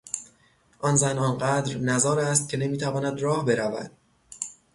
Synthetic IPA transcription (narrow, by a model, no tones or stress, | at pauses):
ʔɒnzænɒnɢæd̪ɾnæzɒːɾæst̪̚cʰe̞ne̞miːt̪ʰævɒːnæd̪rɒːhbe̞ɾævæ̰d̪̥̚